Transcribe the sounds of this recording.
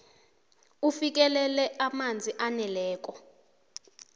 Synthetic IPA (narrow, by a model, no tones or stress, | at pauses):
ufik̬ɛlɛlɛʔamand͡zʱiʔanɛlɛːk̬ʼɔ